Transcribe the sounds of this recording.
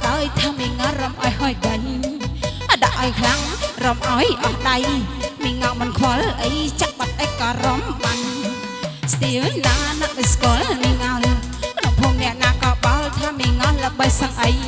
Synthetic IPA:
ʔaəjt̪ʰaːmiəŋaromʔaɔjhɔːjkən | ʔaɗaʔːajkʰlaŋromʔaɔjʔɑhɗajmiəŋamɨnkʰwɔlʔəjt͡ɕaʔ̚ɓat̪̚ʔək̚kɑːromɓan | st̪iəwnaːnaʔʔɨskoəlmiŋaɔl | knoŋpʰoːŋnɛ̆əʔnaːkɑːɓalt̪ʰaːmiəŋɑlləɓəjsəŋʔəj

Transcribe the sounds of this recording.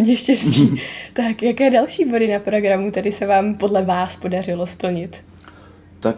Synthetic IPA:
ɲɛʃcɛsciːt̪akjakɛːdɛlʃiːbo̞dɪnapɾo̞ɡɾamut̪adɪsɛvaːmpo̞dlɛvaːspo̞dar̝ɪlo̞spl̩ɲɪt̪ | t̪ak

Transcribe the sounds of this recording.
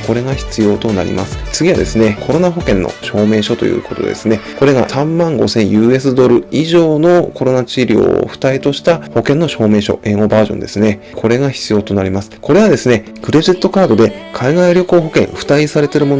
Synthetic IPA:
ko̞ɾe̞ɡaçi̥t͡sɨjo̞ːt̪o̞na̰ɾʲḭma̰sɨ̥t͡sɨɡʲiβad̪e̞sɨne̞kʰo̞ɾo̞naɦo̞kẽnːʔo̰ɕo̞ːme̞ːɕo̞t̪o̞̰jɯ̟̰ːko̞̰t̪o̞̰d̪e̞̰sɨne̞ko̞ɾe̞ɡa̰sãmːãŋɡo̞̰sẽ̞ɰ̃jɯ̟ːe̞s̬ɨd̪o̞ɾɯ̟iʑo̞ːno̞ko̞ɾo̞nat͡ɕiɾʲo̰ɸɯ̟̥t̪ait̪o̞ɕi̥t̪aho̞kẽ̞nːo̞ɕo̞ːme̞ːɕo̞̰e̞ɡo̞baːʑõnd̪e̞sɨne̞ | kʰo̞ɾe̞ɡaçi̥t͡sɨjo̞ːt̪o̞naɾʲimasɨ̥ko̞ɾe̞βad̪e̞sɨne̞ | kɯ̟ɾe̞ʑit̪ːo̞kaːd̪o̞d̪e̞ | kʰaiɡaiɾʲo̞koːɦo̞kẽ̞̰ɰ̃ɸɯ̟̥t̪aisaɾe̞t̪e̞ɾɯ̟mo̞n

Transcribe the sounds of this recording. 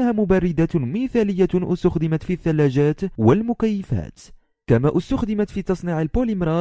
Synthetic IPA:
haːmʊbarːɪd̪amiθaːlɪjːaʔʊst̪axd̪ɪmat̪fiθːalːaːd͡ʒaːt̪walmʊkajːɪfa̰ːt̪ | kamaːʔʊst̪axd̪ɪmat̪fiːt̪ɑsˤniːʕalpolɪmɾˤɑ

